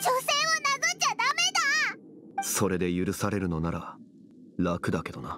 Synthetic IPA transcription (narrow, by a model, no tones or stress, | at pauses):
t͡ɕose̞ːβanaɡɨd͡ʑad̪ame̞d̪a | so̞ɾe̞d̪e̞jɯɾɯ̟saɾe̞ɾɯ̟no̞naɾa | lakɯ̟d̪ake̞d̪o̞na